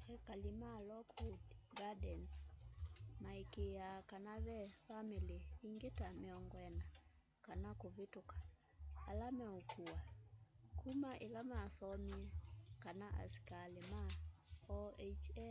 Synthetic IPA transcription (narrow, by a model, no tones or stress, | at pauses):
ɛkalimalɔkʰudɡadɛns | maikeakanaβɛfamiliːŋɡetamɪɔŋɡɔɛna | kanakoβitokḁ | alamɛokuwakumaʔelamasɔmiɛkanaʔa̰si̥kalema | ɔet͡ʃɛ